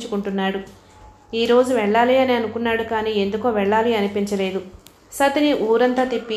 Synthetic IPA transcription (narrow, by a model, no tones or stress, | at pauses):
t͡ʃukuɳʈunːaːɽu | iːɾo̞ːd͡ʒuʋɛɭːaːliːɐniɐnukunːaːɽukaːniːe̞nd̪ukoːʋɛɭːaːliɐnipiɲt͡ʃɐle̞ːd̪u | sɐt̪iniʔuːɾɐnt̪aːt̪ipːi